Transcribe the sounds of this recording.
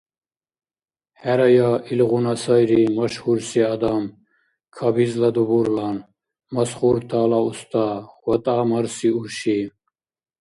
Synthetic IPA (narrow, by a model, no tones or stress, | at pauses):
hɛɾɐjɑʔilʁunasajɾimɐʃhuɾsiad̪am | kʰɐbizlad̪ubuɾlan | mɐsχuɾt̪ʰaːlaust̪awɐt̪ʼaːmɐɾsiuɾʃi